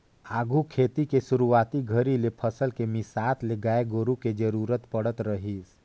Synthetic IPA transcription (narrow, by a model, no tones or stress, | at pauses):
aːɡʱukʰeːt̪ikeʃʊɾuaːt̪iɡʱəɾilepʰəsəlkemɪsaːt̪ʰleɡaːeɡoːɾuked͡ʒəɾuːɾət̪pəɽət̪ɾəɦis